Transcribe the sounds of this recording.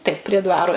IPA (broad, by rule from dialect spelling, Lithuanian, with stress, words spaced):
ˈtɐɪp pʲrʲiɛ ˈdʋɑːroː